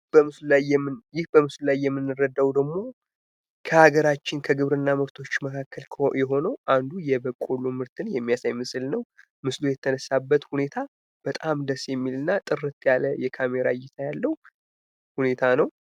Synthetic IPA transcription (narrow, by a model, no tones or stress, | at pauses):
b̥əmɨsllajːɛmːɨnjɪhbəmɨslulajːɛmːɨnːɨrəd̪awd̪əɡmo̞ | kʰəhaɡəɾat͡ʃːɪnkʰəɡɨβɾɨnːamɨɾt̪ʰo̞t͡ʃːməkʰakːəlʰjɛɦo̞nəwʔand̪ujɛbəkʼːolumɨɾt̪ʰɨnjɛmːijasajmɨsɨlnəw | mɨslujɛt̪ʰənəsːabːət̪hune̞t̪ʰa | b̥ət̪ʼamd̪əsjɛmːilɨnːat̪ʼɨrɨt̪jaləjɛkʰame̞ɾa̰jɛt̪ʰajalːəwu | hune̞t̪ʰanəw